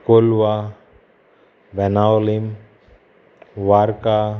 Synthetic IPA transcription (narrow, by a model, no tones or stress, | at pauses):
kolwa | ʋɛnaolim | waɾka